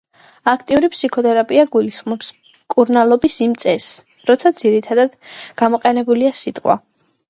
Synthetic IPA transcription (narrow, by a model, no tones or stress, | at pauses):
akʰt̪ʼiuɾipsikʰɔt̪ʰʼɛɾapʼiaɡulisχmɔps | kʼuɾnalˠɔbisimt̪sʼɛs | ɾɔt̪sʰad̪ziɾit̪ʰad̪ad̪̥ɡ̥amɔqʼɛnɛbuliasit̪ʼqʼwa̰